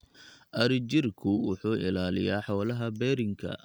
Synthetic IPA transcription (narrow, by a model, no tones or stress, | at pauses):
ʔɐɾɪd͡ʒɪrkʰʊwʊħuːʔɪ̰laːlɪ̰jaːħɔːlɐɦɐbɛːɾɪŋkʰɐ̰